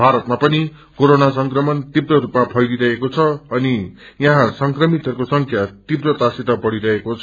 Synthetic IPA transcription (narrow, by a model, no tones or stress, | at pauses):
bʱaɾʌt̪mapʌni | koɾonas̬ʌŋkrʌmʌnt̪ibɾʌɾupmapʰʌjliɾʌɦekot͡sʰʌʌni | jãɦãsʌŋkrʌmit̪ʌɾukosʌŋkʰjat̪ibrʌt̪asit̪ʌbʌɽiɾʌɦekot͡sʰʌ